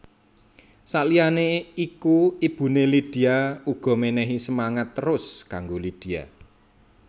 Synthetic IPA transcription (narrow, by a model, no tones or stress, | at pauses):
saʔlijaneikuib̥ṳnelid̪̥i̤auɡ̥ɔ̤menɛɦisəmaŋat̪ːəɾʊskaŋɡolid̪̥i̤a̰